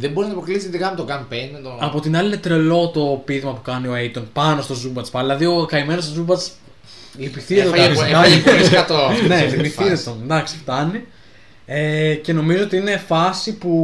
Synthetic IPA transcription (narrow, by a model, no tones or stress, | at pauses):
ðeboɾinɐpɾolisit̪ikɐmut̪oɡɐnpend̪ed̪oɐpo̞t̪inɐliinet̪ɾe̞lo̞t̪o̞piðmɐpukɐnioejt̪onpɐno̞st̪o̞zubɐt̪t͡spɐilɐðio̞kɐime̞nost̪zubɐt͡s | lipiθiɐt̪okɐskɐt̪oɐnelipiθiet̪onnd̪ɐksi̥ft̪ɐni | ece̞no̞mizoot̪iine̞fɐsipu